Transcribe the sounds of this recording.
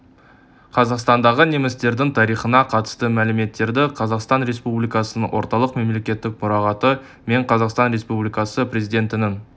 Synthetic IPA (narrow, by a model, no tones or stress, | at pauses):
qʰɑzɑqst̪ɑnd̪ɑʁənemɪst̪e̞ɾd̪ɪŋt̪ʰɑɾijχənɑqʰɑt̪ə̥st̪əmælɪme̞t̪ːe̞ɾd̪ɪqʰɑzɑqst̪ɑnɾe̞spublijkɑsənəŋwʔo̞̰ɾt̪ɑlˠəqme̞mle̞kʲe̞t̪ːɪk̚mʊɾɑʁɑt̪ə | me̞ɴqʰɑzɑqst̪ɑnɾe̞spublijkɑsəpɾʲe̞zijd̪e̞nt̪ɪnɪŋ